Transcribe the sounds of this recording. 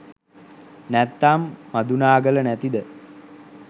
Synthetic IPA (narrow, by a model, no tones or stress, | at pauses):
næt̪ːamːad̪unaːɡələnæt̪id̪ə